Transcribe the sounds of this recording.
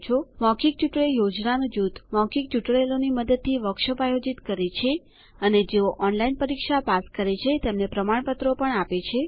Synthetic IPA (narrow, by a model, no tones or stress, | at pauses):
t͡ʃʰomɔkik̚t͡ʃuʈɭejod͡ʒnanod͡ʒut̪mɔkik̚t͡ʃuʈɭeloniməd̪əd̪̚t̪ʰːiʋəkʃəpajod͡ʒit̪kəɾet͡ʃʰe | əned͡ʒeoʔɔnlainpəɾikʃapaskəɾet͡ʃʰet̪emnepɾəmaɳpət̪ɾopəɳapet͡ʃʰe